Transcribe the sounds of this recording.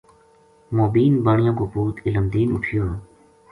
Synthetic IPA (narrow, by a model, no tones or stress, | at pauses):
moːbiːnbaːɳɪjãːkoːpuːt̪ʰɪləmd̪iːnʊ̰ʈʰɪjoː